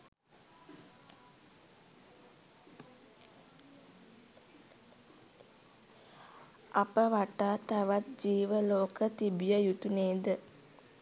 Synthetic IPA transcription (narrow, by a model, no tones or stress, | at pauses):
apəʋaʈaːt̪aʋat̪̚d͡ʒiːʋəloːkət̪ibijəjut̪uneːd̪ə